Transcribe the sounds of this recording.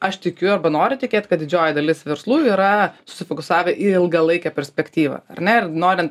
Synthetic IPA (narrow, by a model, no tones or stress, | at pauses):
ɐʃt̪ʲɪkʲʊɐɾbɐnoːɾʲʊt̪ʲɪkʲeːt̪ʲkɐt̪d̪ʲɪd͡ʒʲoːjɛd̪ɐlʲɪsʋʲɛɾslˠuːiːɾɐsʊ̥sʲɪfokʊsɑːʋʲɛʔiɪɪlˠɡɐlˠɐɪkʲɛpʲɛɾʲsʲpʲɛkt̪ʲiːʋɐ̰ɐrnʲɛɪrnoːɾʲɪnt̪